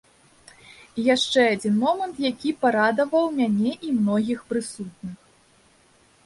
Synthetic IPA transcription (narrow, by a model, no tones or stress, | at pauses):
ijaʂt͡ʂɛad͡zʲinmɔmɐnt̪jakʲipaɾad̪ɐvɐwmʲanʲɛʔimnɔɣʲixpɾɨsut̪̚nɨx